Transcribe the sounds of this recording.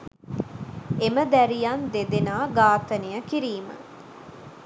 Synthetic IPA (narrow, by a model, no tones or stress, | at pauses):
eməd̪æɾijand̪ed̪enaːɡaːt̪ənijəkiɾiːmə̰